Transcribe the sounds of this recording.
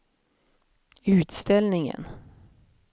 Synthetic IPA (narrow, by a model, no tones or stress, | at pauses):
ʉ̟ːt̪st̪ɛlnɪŋə̰n